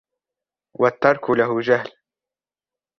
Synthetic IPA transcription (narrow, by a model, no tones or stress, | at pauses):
wat̪ːɑɾˤkʊlaɦʊd͡ʒahl